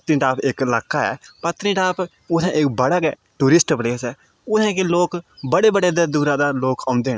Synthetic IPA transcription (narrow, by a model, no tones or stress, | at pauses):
ət̪ĩːʈaːpʰɪklaːkːaːɛ̰ːpət̪ɾĩːʈaːp | ʊsɛ̃ːʔɪkbəɽaːkɛː | ʈuːɾɪsʈbəɽeːsɛː | ʊsɛ̃ːkloːkbəɽeːbəɽeːd̪ed̪uːɾãːd̪aːloːkaːʊ̃nd̪eːn